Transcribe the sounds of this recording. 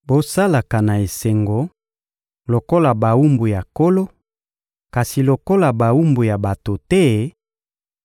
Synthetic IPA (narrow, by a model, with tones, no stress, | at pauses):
bo˦sa˦la˨ka˨na˨e˨se˨ŋɡo˨ | lo˨ko˦la˨ba˨wu˦mbu˨ja˨ko˦lo˦ | ka˨si˨lo˨ko˦la˨ba˨wu˦mbu˨ja˨ba˨to˨tɛ˦